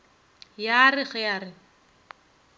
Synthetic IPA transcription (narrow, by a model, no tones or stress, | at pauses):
jarɪχɛjaːrɪ